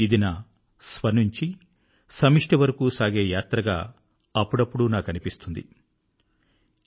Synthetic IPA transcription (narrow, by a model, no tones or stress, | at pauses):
id̪inɐ | sʋɐnuɲt͡ʃi | sɐmiʂʈɐʋɐɾɐkuːsaːɡe̞ːjaːt̪ɾɐɡa̰ː | ɐpːuɽɐpːuɽunaːkɐnipist̪und̪ḭ